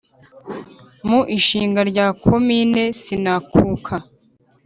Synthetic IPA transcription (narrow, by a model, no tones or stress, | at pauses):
muʔiʃiːŋɡaɾɟaːkʰomine̞sinakʰuːkʰa